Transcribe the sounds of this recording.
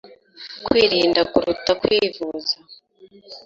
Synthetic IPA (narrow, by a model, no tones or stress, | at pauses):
kwiːɾiːndakuɾutakwiːvuza